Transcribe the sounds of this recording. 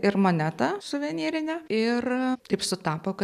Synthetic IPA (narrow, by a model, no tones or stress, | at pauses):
ɪrmonʲæːt̪ɐsʊʋʲɛnʲiːɾʲɪnʲɛɪrt̪ɐɪpsʊt̪ɑːpoːkɐ